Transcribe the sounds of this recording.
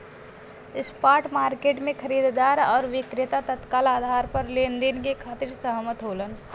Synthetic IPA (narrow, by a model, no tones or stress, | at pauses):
ɪspaːʈmaːɾkeːʈmẽkʰəɾiːd̪ʱd̪aːɾɔːɾʋɪkɾɪt̪at̪ət̪kaːlaːd̪ʱaːɾpəɾlend̪inkekʰaːt̪ɪɾsəɦmət̪ɦoːlən